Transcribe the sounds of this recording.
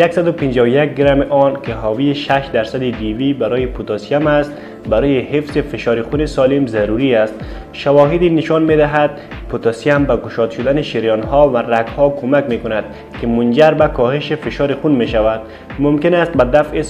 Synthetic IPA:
jaksad̪ʊpɪnd͡ʒɔːwjak̚ɡɪɾamʔɔnkeɦɒːvieʃaʃd̪æɾsad̪id̪ivibaɾɔjepʰut̪ɔsijamast̪ | baɾɔːjehefzefeʃɒɾixunesɔlimzaɾuɾiast̪ | ʃawɒɦɪd̪inɪʃɔnmed̪aɦad̪̥̚ | pʰut̪ɔsijambaɡʊʃɔd̪ʃʊd̪aneʃiɾjɒnhɔvaraɡhɔkʰomakmekʊnad̪̥̚ | kemʊnd͡ʒaɾbakɔheʃefɪʃɔːɾixunmeʃavad̪̚ | mʊmkɪnast̪̚bad̪afe

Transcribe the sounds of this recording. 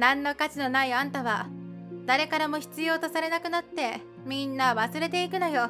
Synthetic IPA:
nãnːo̞kat͡ɕino̞naiãnt̪aβad̪̥aɾe̞kaɾamo̞çi̥t͡sɨjo̞ːt̪o̞saɾe̞nakɯ̟nat̪ːe̞ | mʲĩnːaβasɨɾe̞t̪e̞ikɯ̟nojo

